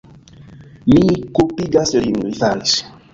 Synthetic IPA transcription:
mikupiɡasliŋoijfaɾis

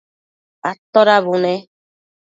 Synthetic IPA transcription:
at̪ɔɾaβunɛ̃

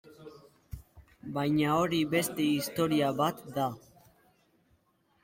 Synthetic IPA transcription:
bajɲao̞ɾiβe̞st̪e̞ist̪o̞ɾiaβat̪d̪a

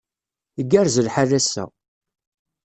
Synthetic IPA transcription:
əɡːæɾzəlħaðæsːæ̰

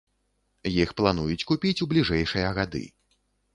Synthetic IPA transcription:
jixplˠanujut͡sʲkupʲit͡sʲublʲiʐɛjʂɨjɐɣad̪ɨ̰

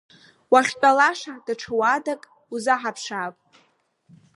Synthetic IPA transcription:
waχʲt͡pʼalaʂad̥aʈ͡ʂʰɨwadakʼ | uzaħapʰʂaːpʼ

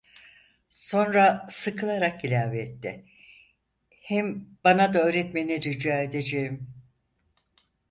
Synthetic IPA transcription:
so̞nɾasɯkʰɯlˠaɾakilʲaːveːt̪ːɪ | hɛmbanad̪aøːɾɛt̪meinɛd͡ʒyd͡ʒaːed̪ed͡ʒejim

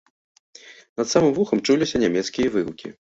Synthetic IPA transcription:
nɐt̪samɨmvuxɐmt͡ʂulʲisʲɐnʲamʲɛt̪skʲijɐvɨwkʲḭ

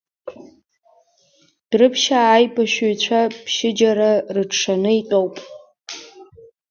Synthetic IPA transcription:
d̥rɨpʰʃaːjpʼaʃuɥt͡ɕʷʰapʰʃɪd͡ʒaɾarɨʈ͡ʂʂanɨitʼowpʼ

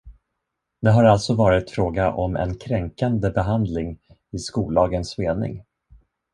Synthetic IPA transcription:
d̪̥ɛɦaɾalt̪sɔvɑːɾɪt̪fɾoːɡaʔɔmɛ̰nkʰɾɛŋkand̪əbɛɦand̪lɪŋ | ɪskuːld̪ɑːɡənsmeːnɪ̰ŋ

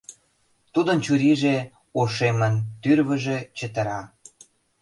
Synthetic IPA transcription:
t̪ud̪ənt͡ɕuɾiʒe | oʃemənt̪yrβə̆ʒĕt͡ɕə̆t̪ə̆ɾɑ

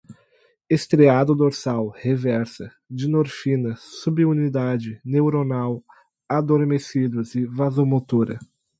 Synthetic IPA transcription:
est̪ɾead̪ʊd̪oɾsawhevɛɾsɐ | d͡ʒɪnoɾfĩnɐsubiunid̪ad͡ʒɪnewɾonaw | ad̪oɾmesid̪ʊzɪvazomot̪uɾɐ̰

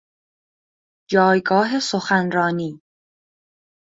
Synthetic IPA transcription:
d͡ʒɒːjɡɒːɦe̞soxænɾɒːniː

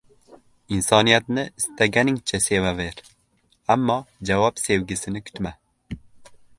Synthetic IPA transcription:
insɑːnijɛt̪nɛʔɨst̪ɛɡɛniŋt͡ʃʰɛseːvɛveːɾ | æmːɑːd͡ʒɛwɑːbseːwɡɨsɨnɨkʰy̥t̪mɛ

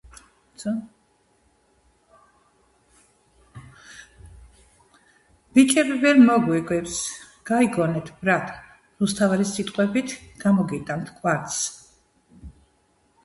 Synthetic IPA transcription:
b̥it͡ʃʼɛbivɛlmɔɡwɛɡʼwɛps | ɡ̥aiɡɔnɛt̪ʰbɾat̪ʰ | ɾust̪ʰavaɾisit̪ʼqʼwɛbit̪ʰɡ̥amɔɡit̪ʼant̪ʰkʼwaɾt̪s

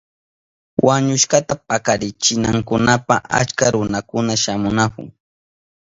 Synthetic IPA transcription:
wʔaɲʊʃkat̪ap̚akaɾɪt͡ʃɪnaŋkʊnapaʔa̰t͡ʃkaɾʊnakʊnaʃamʊnakʊ̰ŋ

